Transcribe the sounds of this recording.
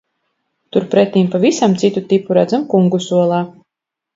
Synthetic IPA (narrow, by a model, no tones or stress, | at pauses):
t̪uɾpɾɛt̪ːiːmpavisamt̪sit̪ut̪ipuɾæd̪zamkuŋɡusuɔlˠaː